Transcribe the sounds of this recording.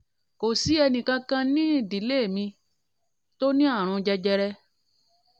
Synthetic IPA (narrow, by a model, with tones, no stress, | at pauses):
ko˨si˨˦ɛ˧nĩ˨kã˧kã˧nĩ˦˨di˨le˦˨mĩ˧ | to˦nĩ˦a˦˨ɾ̃ɔ̃˧d͡ʒɛ˧d͡ʒɛ˧ɾɛ˧